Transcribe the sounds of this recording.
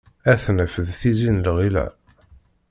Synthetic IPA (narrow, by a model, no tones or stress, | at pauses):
æθnəfəðθizinlʁilæ̰